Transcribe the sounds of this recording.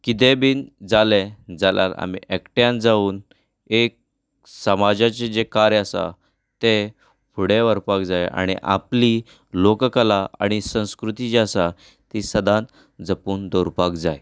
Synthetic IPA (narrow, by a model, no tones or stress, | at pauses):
kit̪̬ebiːnd͡zaled͡zalja̰la̰mḭʔekʈjãnd͡zauːn | ek̚ | səmad͡ʑat͡ɕed͡ʑekaɾjəsa̰ | t̪e | pʰuɽeʋəɾpakd͡zaja̰ɽ̃ḭʔa̰pli | lokkəlaa̰ɽ̃isə̃w̃skɾut̪id͡ʑasa | t̪isəd̪ãn | d͡zəpuːnd̪oɾpakd͡zaj